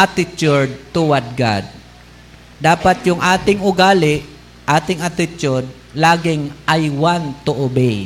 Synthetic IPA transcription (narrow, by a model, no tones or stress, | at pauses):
ʔat̪ɪt͡ʃʊɹd̪̚t̪ʊwat̪̚ɡa̰d̪̚ | d̪aːpat̪jʊŋʔaːt̪ɪŋʊɡaːlɪʔ | ʔaːt̪ɪŋat̪ɪt͡ʃʊd̪̚ | laːɡɪŋʔajwant̪ʊʔʊbej